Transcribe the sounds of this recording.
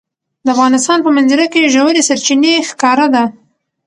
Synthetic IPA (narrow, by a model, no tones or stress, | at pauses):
d̪əafɣɑnɪst̪ɑnpəmanziɾakeʒəwəɾesaɾt͡ʃinexkɑɾad̪a